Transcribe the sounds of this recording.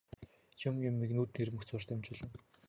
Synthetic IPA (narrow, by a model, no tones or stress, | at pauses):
t͡ɕʰɪ̆mjʊmːiknuːt̪nirmɵ̆xt͡sʰʊːr̥t̪ʊmt͡ɕɪ̆ɮə̆n